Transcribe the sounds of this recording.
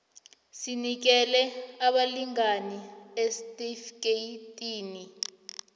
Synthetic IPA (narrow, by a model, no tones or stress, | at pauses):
sinik̬ɛlɛaɓaliŋaniɛstʼifkejtʼiːni